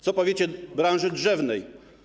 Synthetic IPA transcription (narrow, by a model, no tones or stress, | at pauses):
t̪sɔpɔvʲet͡ɕɛbɾanʐɘdʐɛvnɛj